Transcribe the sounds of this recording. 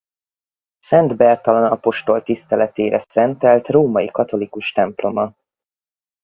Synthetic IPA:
sɛnd̪bɛrt̪ɒlɒnɒpo̞ʃt̪o̞lt̪ist̪ɛlɛt̪eːɾʔɛsɛnt̪ɛlt̪roːmɒjikɒt̪o̞likuʃt̪ɛmplo̞mɒ

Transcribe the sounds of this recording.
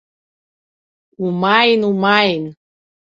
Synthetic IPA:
umɑjnumɑjn

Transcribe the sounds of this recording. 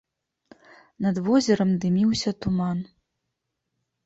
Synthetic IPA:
nɐd̪vɔzʲɛɾɐmd̪ɨmʲiwsʲɐt̪uman

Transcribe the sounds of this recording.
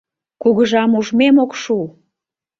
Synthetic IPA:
kuɣəʒɑmuʒmemokʃu

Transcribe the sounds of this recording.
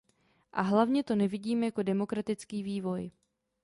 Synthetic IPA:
ʔaɦlavɲɛt̪o̞nɛvɪɟiːmjako̞dɛmo̞kɾat̪ɪt͡skiːviːvo̞j

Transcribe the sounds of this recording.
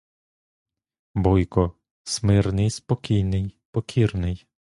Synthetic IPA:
bɔjkɔ | smɪrnɪjspɔkʲijnɪjpɔkʲʰirnɪj

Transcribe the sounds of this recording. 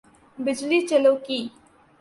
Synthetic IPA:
bɪd͡ʒliːt͡ʃəloːkiː

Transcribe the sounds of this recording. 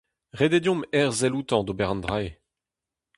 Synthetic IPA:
ʁed̪ed̪jɔ̃mɛʁzɛlut̪ɑ̃d̪obɛʁɑ̃nd̪ʁae

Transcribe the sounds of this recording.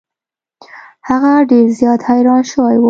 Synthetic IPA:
haɣaɖeɾzjɑd̪hajɾɑnʃəwajwə

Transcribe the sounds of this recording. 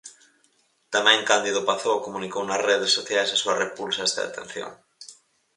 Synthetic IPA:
t̪amɛ̃ŋkand̪iðʊpaθokomũnikownɐsreðesoθjajsasuɐrepulsaɛst̪ɐ̰ðḛt̪ẽn̟θjo̰ŋ

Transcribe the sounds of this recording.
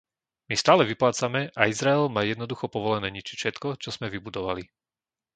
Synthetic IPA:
mist̪aːlɛʋiplaːt͡samɛʔaizɾaɛlmaːjɛd̪nɔd̪uxɔpɔʋɔlɛnɛːɲit͡ʃi̥fʃɛt̪kɔt͡ʃɔz̥mɛʋibud̪ɔʋali

